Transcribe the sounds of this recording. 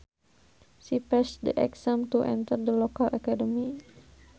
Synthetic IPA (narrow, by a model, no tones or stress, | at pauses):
sipɛsdəʔɛ̰ksãmt̪uʔɛ̰̃nt̪ərd̪əlokalʔakadəmi